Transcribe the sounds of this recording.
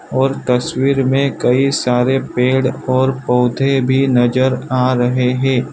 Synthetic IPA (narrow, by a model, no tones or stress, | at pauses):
ɔːɾt̪ɐswiːɾmẽkɐisaːɾepeːɽɔːɾpɔːd̪ʱebʱinɐd͡ʒəɾaːɾɐɦeɦɛ̃ː